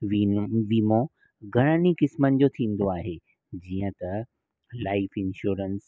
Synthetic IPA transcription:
ʋiʋiːmõ | ɡʱɐɽ̃ənikɪsmənɪ̆d͡ʑot̪ʰĩːn̆d̪oaːɦe | d͡ʑiːə̃t̪ɐ | laːɪfɪnʃuːɾəns

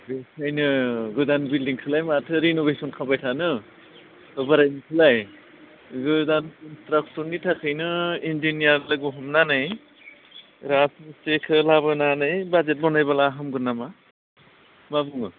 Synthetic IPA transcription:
besʰajnɯɡɯdanbildiŋkʰɯlajmatʰɯɾinobesɔnkʰabajtʰanɯ | baɾajnikʰɯlaj | ɡɯdankntɾak̚sɔɾnitʰakʰɯjnɯind͡ʒinijaɾlɯɡuɦɔmnanɯj | ɾasstekʰɯlabɯnanɯjbad͡ʒet̚bɔnajbalaːɦamɡɯnːama | mabɯŋɯ

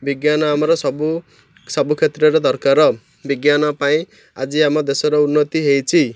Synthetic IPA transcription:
biɡjanʌamʌɾɔsʌbu | sʌbukʰet̪rʌɾed̪ʱʌɾkaɾʌ | biɡjanʌpaĩ | ad͡ziamʌd̪esoɾɔunːʌt̪iɦejt͡sʰi

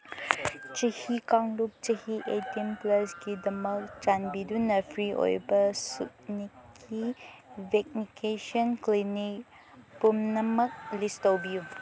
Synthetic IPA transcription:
t͡ʃihikaŋlup̚t͡ʃihiʔetimplɐsɡidɐmɐk̚t͡ʃanbidunɐpʰɾiʔo̰jbɐsut̚nikʰː | ibek̚nikesɔnklinik | pumnɐmɐk̚listowbiju

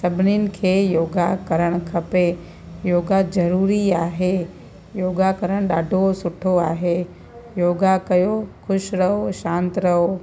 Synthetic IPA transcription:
sɐbʱɪnɪnɪ̆kʰeːjoːɡakɐɾəɽ̃kʰɐpe | joːɡazɐɾuːɾiaːɦe | joːɡakɐɾəɽ̃ɗaːɖʱosʊʈʰoaːɦe | joːɡakɐjoxʰʊʃɾɐɦoʃãːnt̪ɾɐɦo

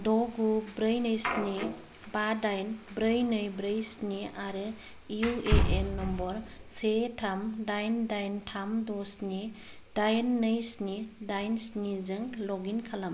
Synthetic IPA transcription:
dɔɡubɾɯjnɯjsni | badajnbɾɯjnɯjbɾɯjsniaɾɯ | iueʔenːɔmbɔɾ | setʰamdajndajntʰamdɔsni | d̥ajnːɯjsnidajnsnizɯŋlɔɡinkʰalam

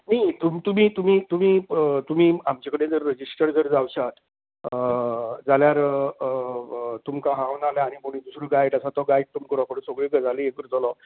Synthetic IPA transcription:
najt̪umt̪um̤iːt̪umiːt̪um̤iːət̪um̤iːamt͡ɕakəɽed͡zəɾːəd͡ʑisʈəɾd͡zəɾd͡zawɕat̪ | əd͡zaljaɾ | t̪umkaɦãwnaljaːɽ̃ipəɽ̃ĩd̪usɾoɡaiʈasat̪ɔɡajiʈ̚t̪umkəɾɔpəɳsoɡɭeɡd͡zaliekəɾt͡slɔ

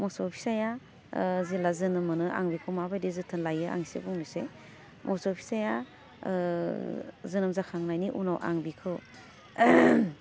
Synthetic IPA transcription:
mɔsɔpʰi̥saja | zilazɯnɯmɯnɯʔa̰ŋbikʰɯwmabajdezɯtʰɯnlajɯa̰ŋsḛbuŋnise | mʔɔsɔpʰi̥saja | zɯnɯmzakʰaŋnajniʔunɔwʔa̰ŋbikʰɯw

